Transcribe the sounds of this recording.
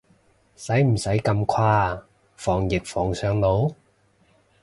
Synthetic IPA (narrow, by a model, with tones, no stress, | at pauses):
sɐ˨˥jm̩˨˩sɐ˨˥jkɐ˧mkʰwaː˧ | fɔː˨˩ŋjɪ˨k̚fɔː˨˩ŋsœː˨˧ŋlo˨˥w